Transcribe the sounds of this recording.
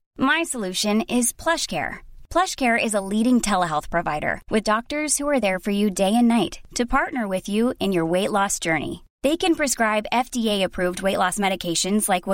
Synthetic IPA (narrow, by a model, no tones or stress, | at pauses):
maɪsəlʉʃɨ̃nɪz̥pʰl̥ʌʃkʰɛ̰ɹpʰl̥ʌʃkʰɛɹʔɪzəliɾɪ̃ŋtʰɛlˠəɦɛlˠθpʰɹ̥ɨva̰ɪɾə̰˞wʔɨðdɔk̚tə˞z̥huə˞ðə˞fə˞jɨdeɪɨ̃nːaɪtʰɨpʰɑɹtⁿnə˞wɪðjʉɨ̃njə˞weɪʔˡlɔsd̥ʒ̥ɜ˞nḭ | ðeɪkɨ̃npʰɹ̥ɨskɹaɪbɛfd̥ieɪɨpʰɹ̥ʉvd̚weɪʔlɔsmɛɾɨkʰeɪʃɨ̃nzlaɪkw